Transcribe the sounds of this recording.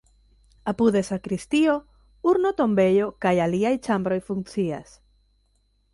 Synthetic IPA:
apuðe̞sakɾist̪io | uɾnot̪o̞mbe̞jo̞kajaliajt͡ʃambɾo̞jfuŋkt͡sia̰s

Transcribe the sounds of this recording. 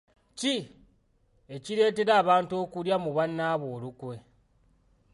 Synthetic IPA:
ci | e̞ciɾe̞ːte̞ɾaːβaːntuo̞ːkuɾjamuβanːaːβoːlukwe̞

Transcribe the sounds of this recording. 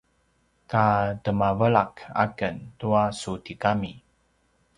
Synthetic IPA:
katəmavəɭaka̰kəntuasutikami

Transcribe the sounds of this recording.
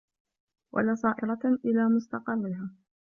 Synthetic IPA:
wʔa̰lasˤɑːʔɪɾˤɑʔɪlaːmʊst̪ɑqɑrˤːɪɦaː

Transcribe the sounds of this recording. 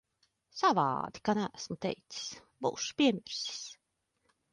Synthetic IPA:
sava̰ːd̪i̥kanææsmut̪ɛ̰jt̪si̥s | buːʃu̥pʲiɛmʲiɾsi̥s

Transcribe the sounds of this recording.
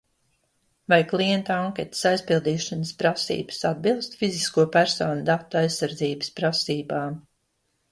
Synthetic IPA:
vajklˠiɛnt̪aaŋkʲet̪ə̥sajspilˠd̪iːʃanəspɾasḭːbə̥sad̪̚bilˠst̪fiziskuɔpæɾsɔːnud̪at̪ːajsːaɾd̪ziːbəspɾasiːbaːm

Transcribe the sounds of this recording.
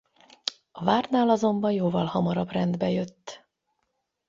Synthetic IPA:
ɒvaːrnaːlɒzo̞mbɒnjoːvɒlhɒmɒɾɒbrɛnd̪bɛjøt̪ː

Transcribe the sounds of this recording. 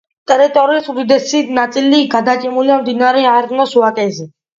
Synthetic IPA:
t̪ʼɛɾit̪ʼɔɾiːsud̪id̪ɛsinat̪sʼiliɡad̪at͡ʃʼɛmuliamd̪inaɾɛaɾnɔsuakʼɛzɛ

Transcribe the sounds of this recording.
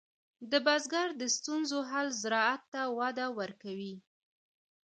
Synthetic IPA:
d̪əbazɡaɾd̪əst̪unzoɦalzɾɑat̪ːawɑd̪awəɾkawi

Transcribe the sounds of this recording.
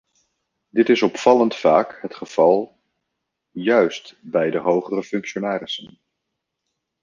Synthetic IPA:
dɪtɪsɔpfɑləntfaːkɦətχəv̥ɑlˠ | jœɥstbɛjdəɦowχərəfɵŋkʃonaːrɪsən

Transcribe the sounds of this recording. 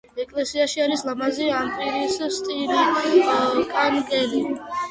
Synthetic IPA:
ɛkʼlɛsiaʃiaɾislamaziampʼiɾisst̪ʼili | kʼanɡɛli

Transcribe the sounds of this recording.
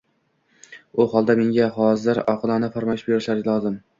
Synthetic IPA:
ʊhɒlˠd̪ame̞ŋɡʲaɦɒzɪɾɒqʰɨlˠɒnafaɾmaʃbeɾɪʃlaɾʲlˠɒzɪm

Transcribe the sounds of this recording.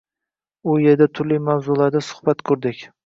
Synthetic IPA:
ʊje̞ɾd̪at̪ʰʊɾlɪjmawzʊlaɾd̪asʊ̥hbat̪kʰɵɾd̪ɪkʲ

